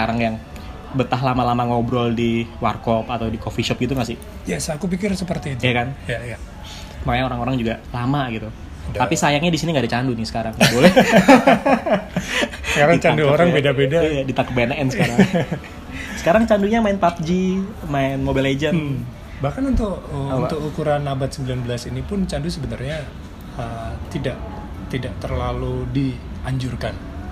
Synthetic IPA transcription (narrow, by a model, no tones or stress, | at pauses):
səkaɾaŋjaŋ | bət̪aɦlamalamaŋobɾɔldiwarkɔpat̪awdikofiʃɔp̚ɡit̪uŋasɪhjasakup̬ikɪrsəpərt̪iːt̪iakanjaja | makaɲaoɾaŋoɾaŋd͡ʒuɡalamaɡit̪u | t̪apisajaŋɲadisiniŋɡadat͡ʃandunɪsə̥kaɾaŋbolɛ | səkaɾat͡ʃanduoɾaŋpedapedaijadit̪akbanɛnsəkaɾaŋ | sə̥kaɾaŋt͡ʃanduɲamaɪnpap̚d͡ʒi | maɪnmobɛled͡ʒə | bahkanunt̪ʊkunʊkukuɾanabat̪səmbilanbəlasinipʊnt͡ʃandusəbənarɲa | ət̪idaʔ | t̪idaʔt̪ərlaludiaɲd͡ʒurkan